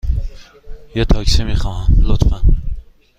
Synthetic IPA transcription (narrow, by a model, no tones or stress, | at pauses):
jet̪ʰɒksimiχɒːhamlot̪fan